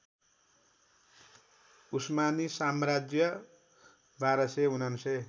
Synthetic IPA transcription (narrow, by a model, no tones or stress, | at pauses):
usmanisamrad͡zjʌ | bʱaɾʌseɦunanse